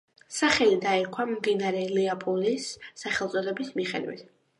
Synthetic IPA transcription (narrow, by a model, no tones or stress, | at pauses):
saχɛlid̪aɛkʰwammd̪inaɾɛlɛapʼulisːaχɛlˠt̪sʼɔd̪ɛbismiχɛ̰d̪wḭt̪ʰ